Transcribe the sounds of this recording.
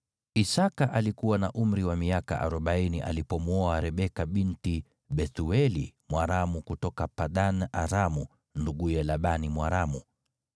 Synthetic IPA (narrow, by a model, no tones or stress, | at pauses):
isakaʔalikuwanaʔum̩ɾiwamiaka̰ʔa̰ɾɔɓainiʔa̰lipɔmwuɔaɾɛɓɛkaɓinti | ɓɛθuɛlimwaɾamukutɔkapaɗanaɾamu | nduɡujɛlaɓanimwaɾamu